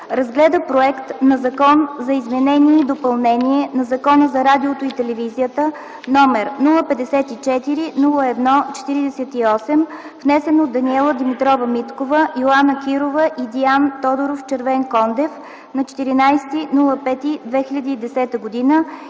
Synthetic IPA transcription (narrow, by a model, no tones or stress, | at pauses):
ɾɐzɡlɛd̪əpɾoɛkt̪nɐzɐkɔnzɐizmɛnɛniɛid̪opɐlˠnɛnʲiɛnɐzɐkɔnəzɐɾad̪iot̪oit̪ɛlɛvizijət̪ə | nɔmɛɾnulˠəpɛd̪ɛsɛt̪it͡ʃɛt̪iɾinulˠəɛd̪nɔt͡ʃɛ̥t̪iɾid̪ɛsɛt̪iɔsɛm | vnɛsɛnod̪ːɐniɛlˠəd̪imit̪ɾɔvəmit̪kovəʔiolˠanəkiɾovəʔid̪iant̪ɔd̪oɾoft͡ʃɛɾvɛnkɔnd̪ɛf | nɐt͡ʃɛ̥t̪iɾinajst̪inulˠəpɛt̪id̪vɛxʲilʲɐd̪iːd̪ɛsɛt̪əɡod̪inə